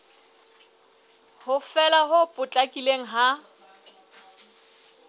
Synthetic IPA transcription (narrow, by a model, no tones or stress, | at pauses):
hʊfɛlaɦʊpʼʊt͡ɬʼakʼileŋ̩ɦa